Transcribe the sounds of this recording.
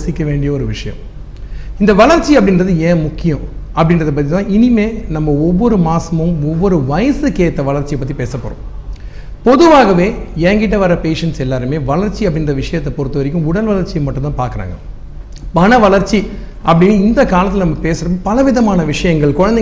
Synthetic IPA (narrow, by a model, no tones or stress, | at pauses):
sɪkʲːɐʋeːɳɖɪjɐɔɾɯʋɪʂɐjɐ̰̃m | ɪnd̪ɐʋɐlɐɾt͡ʃːiɐpːɐɽɪnɾɐðɯẽːmʊkːɪjɐ̃ɐpːɐɽɪnrɐðɐp̬ːɐt̪ːit̪ãːɪnɪmeːnɐmːɐɔʋːɔɾɯmaːsɐmɯ̃mɔʋːɔɾɯʋɐjɐsɯkeːt̪ːɐʋɐlɐɾt͡ʃːɪjɐpːɐt̪ːipeːsɐpːɔ̰ːɾʊ̰̃ | pɔðɯʋaːɣɐʋeːɛːŋɡɪʈ̬ːɐʋɐɾɐpeːʂɐnsɛlːaːɾɯmeːʋɐlɐɾt͡ʃːiɐpːɐɽɪnrɐʋɪʂɐjɐt̪ːɐpɔɾɯt̪ːɯʋɐɾɪk̬ʲːɯ̃mʊɽɐlʋɐɭɐɾt͡ʃːɪjɐmːɐʈːɯ̃nt̪ãːpa̰ːɾkɐɾa̰ːŋɡɐ | mɐnɐʋɐlɐɾt͡ʃːi | ʔɐpːɐɽɪnːɯɪnd̪ɐkaːlɐt̪ːɪlɐnɐmːɐpeːsɐɾɐmːɯpɐlɐʋɪðɐmaːnɐʋɪʂɐjɐŋɡɐɭkʊɻɐnd̪ɛ